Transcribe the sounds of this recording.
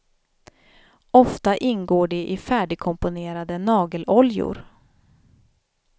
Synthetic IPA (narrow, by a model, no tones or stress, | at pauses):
ɔft̪aʔɪnɡoːɖɛʔɪfæːɖɪɡ̚kʰɔmpʊneːɾad̪ənɑːɡəlɔljʊ̰ɾ